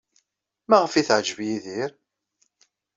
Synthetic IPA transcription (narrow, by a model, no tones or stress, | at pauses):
mæʁəfiθʕʒvjiðiɾ